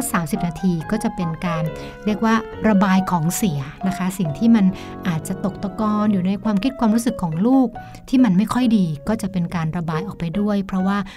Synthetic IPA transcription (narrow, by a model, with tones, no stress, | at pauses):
saː˩˦msi˨˩p̚naː˧t̪ʰiː˧kɔː˥˩t͡ɕa˨˩pe˧nkaː˧n | ɾi˥˩ək̚waː˥˩ | ɾa˧baː˧jkʰɔː˩˦ŋsi˩˦ɐna˦˥kʰa˦˥si˨˩ŋt̪ʰiː˥˩ma˧n | ʔaː˨˩t̪̚t͡ɕa˨˩t̪o˨˩k̚t̪ɔ˧kɔː˧njuː˨˩na˧jkʰwaː˧mkʰi˦˥t̪̚kʰwaː˧mɾu˦˥sɯ˨˩kʰːɔː˩˦ŋluː˥˩k̚ | t̪ʰiː˥˩ma˧nma˥˩jkʰɔ˥˩jdiː˧kɔː˥˩t͡ɕa˨˩ʔpe˧nkaː˧nɾa˧baː˧jʔɔː˨˩pa˧jdu˥˩əjpʰɾɔ˦˥waː˥˩